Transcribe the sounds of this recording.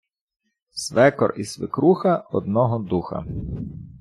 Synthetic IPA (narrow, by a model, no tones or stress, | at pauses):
sʋɛkɔ̰risʋɪ̰kɾuxɐɔd̪̚nɔɦɔd̪uxɐ̰